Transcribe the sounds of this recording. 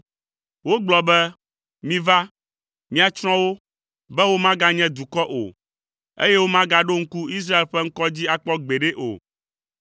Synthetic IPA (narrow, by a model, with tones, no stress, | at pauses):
wo˦ɡ͡blɔ˨bɛ˦ | mĩ˦va˦ | mĩ˦a˨t͡ʃɾ̃ɔ̃˦wo˦ | bɛ˦wo˦mã˦ɡa˦ɲɛ̃˦d̪u˨kɔ˦ʔo̰˨ | ḛ˦je˦wo˦mã˦ɡa˦ɖo˦ŋ̩˦ku˦i˦s̬ɾa˦e˨lɸɛ˦ŋ̩˦kɔ˦d͡ʑi˦a˨k͡pɔ˦ɡ͡be˨ɖe˦ʔo̰˨